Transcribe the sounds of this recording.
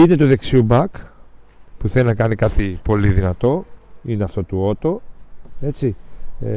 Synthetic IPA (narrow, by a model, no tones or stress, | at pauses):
ine̞t̪uðe̞ksiubɐk | puθe̞linɐkɐnikɐt̪ipo̞liðinɐt̪o̞ine̞ɐft̪o̞t̪uo̞t̪o̞e̞t͡si